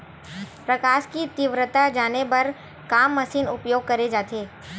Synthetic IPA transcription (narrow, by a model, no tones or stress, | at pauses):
pɾɐkaːʃkit̪ɪʋɾət̪ad͡ʒaːnepɐɾ | kaːmːɐsiːnʊpjoːɡ̚kɐɾed͡ʒaːt̪eː